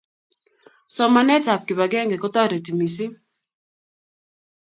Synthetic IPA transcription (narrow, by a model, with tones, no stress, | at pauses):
sɔ˨ma˨nɛ˦ta˨p̚kɪ˨ba˨ɡɛ˦ŋɡe˨kɔ˦t̪ɔ˦ɾe˨ti˨mi˨si˦